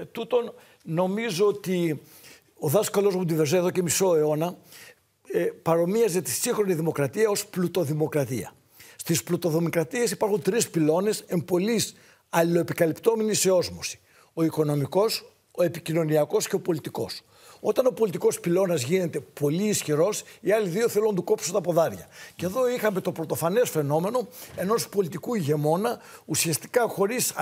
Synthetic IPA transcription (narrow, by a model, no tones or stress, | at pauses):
t̪ut̪o̞n | no̞mizo̞ot̪i | o̞ðɐskɐlo̞zmud̪iveɾzeeðo̞ce̞miso̞e̞o̞nɐ | pɐɾo̞miɐze̞t̪isiŋxɾo̞niðimo̞kɾɐt̪iɐo̞splut̪o̞ðimo̞kɾɐt̪iɐ̰ | st̪isplut̪o̞ðo̞mikɾɐt̪ie̞sipɐɾxunt̪ɾispilo̞ne̞se̞mbo̞lis | ɐlilo̞epikɐlipt̪o̞me̞niseo̞zmosi̥ | o̞iko̞no̞miko̞s | o̞e̞picino̞niɐko̞sce̞opo̞lit̪iko̞̰s | o̞t̪ɐno̞po̞lit̪iko̞spilo̞nɐzʝine̞t̪e̞po̞liːsçiɾo̞siɐliðio̞θelunɐt̪uko̞psunt̪ɐpo̞ðɐɾʝɐce̞ðo̞ixɐmet̪o̞pɾo̞t̪o̞fɐne̞sfe̞no̞me̞no̞e̞no̞spo̞lit̪ikuʝe̞mo̞nɐusiɐst̪i̥kɐxo̞ɾis